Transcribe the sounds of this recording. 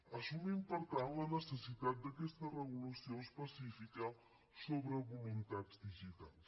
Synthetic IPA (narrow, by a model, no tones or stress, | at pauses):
əsumimpəɾt̪anlənəsəsit̪at̪̚d̪əkɛst̪ərəɣulusioəspəsifikə | soβɾəβulunt̪ad͡zd̪iʒit̪a̰lˠs